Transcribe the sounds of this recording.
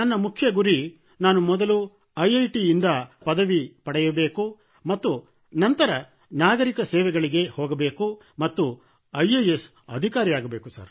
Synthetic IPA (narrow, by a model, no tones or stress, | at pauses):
nɐnːɐmukʰjɐɡuɾi | naːnumɔd̪ɐlu | ɐjɐjʈiːnd̪ɐpɐd̪ɐʋipɐɽɛjɐbe̞ːku | mɐt̪ːu | nɐnt̪ɐɾɐ | naːɡɐɾikɐsɛːʋɛɡɐɭiɡe̞hɔːɡɐbe̞ːku | mɐt̪ːu | ɐjɐjes | ɐ̰d̪ʱikaːɾijaːɡɐbe̞ːkusɐ̰ɾ